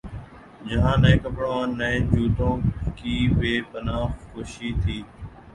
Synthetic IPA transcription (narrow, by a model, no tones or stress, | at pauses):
d͡ʒəɦãːnə̃ẽːkəpɽõːaːnːəẽːd͡ʒuːt̪õːkiːʋeːpənaːxxoːʃiːt̪ʰiː